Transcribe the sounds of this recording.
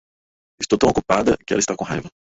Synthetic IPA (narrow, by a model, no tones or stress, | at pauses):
ɪst̪owt̪ɐ̃w̃okupad̪ɐkɪɛ̰lɐist̪akõɦa̰jvɐ